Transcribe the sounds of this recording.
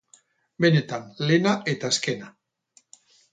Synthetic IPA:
benet̪anlenaʔet̪aeskena

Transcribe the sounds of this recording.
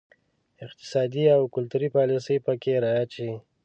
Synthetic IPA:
ɪq̚t̪ɪ̥sɑd̪iawkʊlt̪uɾipɑlisəjpəkeɾɑjaʃi

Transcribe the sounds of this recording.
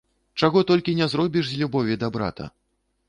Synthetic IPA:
t͡ʂaɣɔt̪ɔlʲkʲinʲɛzɾɔbʲiʂzʲlʲubɔvʲid̪ɐbɾa̰t̪ɐ̰

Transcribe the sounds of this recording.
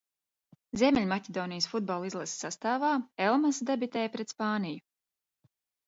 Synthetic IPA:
zʲiɛmʲɛlʲmacʲed̪ɔːnijsfud̪̚bɔlˠizlˠɛsʲsast̪aːvaːɛlˠmasd̪ebit̪ɛjpɾɛt̪spɑːniju

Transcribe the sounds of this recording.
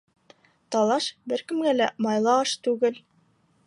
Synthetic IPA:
t̪ɑlˠɑʃbɘɾkɘ̆mɡælæmɑjlˠɑɑʃt̪ʉɡɘl

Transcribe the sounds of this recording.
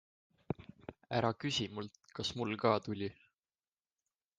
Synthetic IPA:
æɾɑkysʲimult̪kɑsmulkɑːt̪ulʲi

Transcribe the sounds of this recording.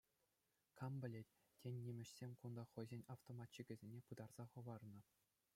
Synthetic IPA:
kɑmbʲɘ̆lʲetʲ | tʲenʲːimʲɘ̆ɕsʲemʲkund̪ɑχɤ̆jzʲenʲɑft̪omɑtʲt͡ɕiɡʲɘ̆zʲenʲepɯd̪ɑrz̥ɑχɤ̆ʋɑrnɤ̆

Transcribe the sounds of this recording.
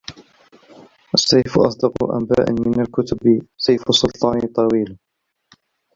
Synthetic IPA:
ʔasːajfʔɑ̰sˤd̪ɑqṵʔa̰mba̰ːʔɪ̰mɪnalkʊt̪ʊbsajfasˤːʊlt̪ˤɑːnt̪ˤːɑwiːl

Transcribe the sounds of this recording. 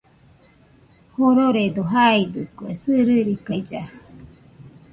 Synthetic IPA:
hoɾoɾed̪oɦaid̪ɯkwesɨɾɨɾikajd͡ʒa

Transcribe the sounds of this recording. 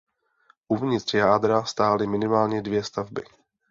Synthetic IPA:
ʔuvɲɪt̪r̝̥jaːd̪ɾast̪aːlɪmɪnɪmaːlɲɛdvjɛst̪avbɪ

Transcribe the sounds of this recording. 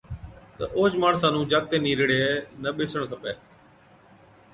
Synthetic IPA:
t̪əʔoːd͡ʒmaːɳsaːnũːd͡ʒaːɡ̚t̪ẽːniːɾɪɽeːnəɓɪsəɳ̃t̪ʰəpeː

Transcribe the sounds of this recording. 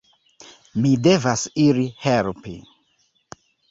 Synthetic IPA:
mide̞vasiɾihelpḭ

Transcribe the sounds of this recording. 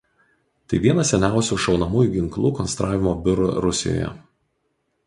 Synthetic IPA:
t̪ɐɪʋʲiɛnɐsʲɛnʲæˑʊsʲuːˑʃɒʊnɐmuːjuːˑɡʲɪŋklˠuːkɔnst̪ɾʔɑːʋʲɪmoːbʲʊɾʊɾʊsʲɪ̰jo̰ːjɛ̰

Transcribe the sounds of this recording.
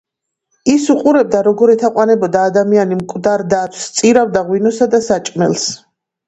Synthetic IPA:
isuqʼuɾɛb̚d̪aɾɔɡɔɾɛt̪ʰaqʼwanɛbɔd̪aːd̪amianimkʼvd̪aɾd̪at̪ʰst̪sʼiɾavd̪aʁwinɔsad̪asat͡ʃʼmɛ̰lˠs

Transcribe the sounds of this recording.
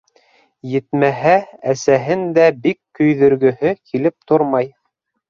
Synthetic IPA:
jɘ̆t̪mæɦææsæɦɘnd̪æbikːɵ̆jðɵ̆ɾɡɵ̆hɵkʰilɘp̚t̪oɾmɑj

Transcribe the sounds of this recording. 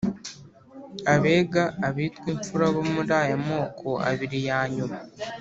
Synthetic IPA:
aβe̞ːɡaːβiːtkwiːɱfuɾaβomuɾaːjamo̞ːkʰo̞a̰βiɾijaːɲuma

